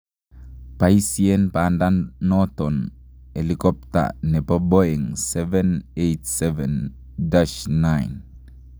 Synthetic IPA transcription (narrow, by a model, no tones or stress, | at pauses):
pajsienpandanːoton | elikop̚ta̰nepaboeŋsevenejtseven | daʃnajn